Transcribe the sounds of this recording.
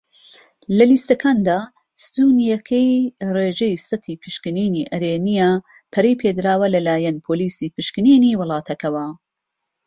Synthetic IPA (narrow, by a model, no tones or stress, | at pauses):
lɐliːst̪ɐkʰaːnd̪aː | st̪uːnijɐkʰɐjreːʒɐjsɨt̪ʰiːpʰɨʃkɨniːniːʔɐɾeːnija | pʰɐɾejpʰed̪ɾaːwɐlɐlaːjɐnpʰoːliːsiːpɨʃkɨniːniːwɨlˠɑːt̪ʰɐkɐwɐ